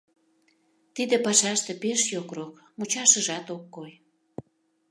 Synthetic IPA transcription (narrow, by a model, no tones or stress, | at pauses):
t̪id̪epɑʃɑʃt̪epeʃjokrokmut͡ɕɑʃəʒɑt̪okːoj